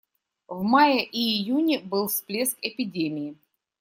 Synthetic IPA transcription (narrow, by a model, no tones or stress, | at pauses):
vmajəʔiːjunʲɪbɨlˠsplʲe̞skɪpʲɪdʲemʲɪɪ